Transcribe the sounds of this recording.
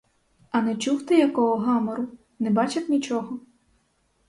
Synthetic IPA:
ɐnɛt͡ʃuwt̪ɪjɐkɔɦɔɦɑmɔɾʊ | nɛbɑt͡ʃɐt̪nʲit͡ʃɔɦɔ

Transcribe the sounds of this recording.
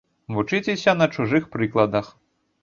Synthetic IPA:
vut͡ʂɨt͡sʲesʲɐnɐt͡ʂuʐɨxpɾɨklˠɐd̪ɐx

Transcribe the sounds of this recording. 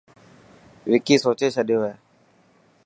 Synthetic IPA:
ʋɪkiːsoːt͡ʃeːt͡ʃʰəɗɪjoːɦeː

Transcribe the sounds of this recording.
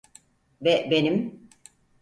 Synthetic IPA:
bɛbenim

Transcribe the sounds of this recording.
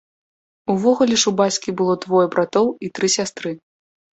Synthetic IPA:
uvɔɣulʲɛʂubat͡sʲkʲibɨlˠɔd̪vɔjɛbɾat̪ɔwit̪ɾɨsʲast̪ɾɨ

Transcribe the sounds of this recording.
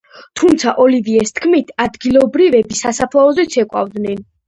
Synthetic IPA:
t̪ʰumt̪sʰaʔɔliviɛst̪ʰkʰmit̪ʰad̪ɡilˠɔbɾivɛbisasapʰlˠaɔzɛt̪sʰɛkʼwa̰vd̪nɛn

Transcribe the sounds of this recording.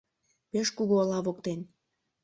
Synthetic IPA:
peʃkuɣoːlɑβokt̪en

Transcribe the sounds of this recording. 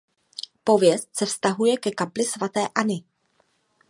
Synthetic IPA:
po̞vjɛst̪sɛfst̪aɦujɛkɛkaplɪsvat̪ɛːʔanɪ

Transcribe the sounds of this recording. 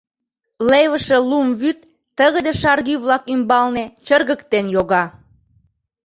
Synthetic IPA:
leβəʃelumβyt̪ː | əɣəd̪eʃɑrɣyβlɑkymbɑlnet͡ɕərɣəkt̪enjoɣɑ

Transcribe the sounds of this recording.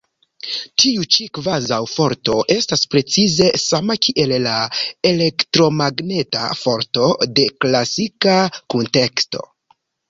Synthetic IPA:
tiut͡ʃikvazawfo̞ɾto̞ʔe̞staspɾe̞t͡size̞samakʰiʔe̞llaele̞ktɾo̞maɡne̞ta̰fo̞ɾto̞de̞klasikakunte̞ksto̞̰

